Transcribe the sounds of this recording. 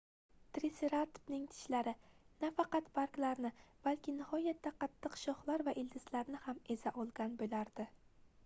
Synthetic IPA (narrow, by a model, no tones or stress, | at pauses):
t̪ɾiseɾat̪bnɪŋt̪ʰɪ̥ʃlaɾɪnafɑqɑt̪baɾklaɾnɪb̥alkʲʰɪnɪhɒjat̪ʰːaqʰɑt̪ʰːɨqʃɒχlˠaɾvaʔɪld̪ɪslaɾnɪhame̞zaʔɒlˠɡʲanbolaɾd̪̥ɪ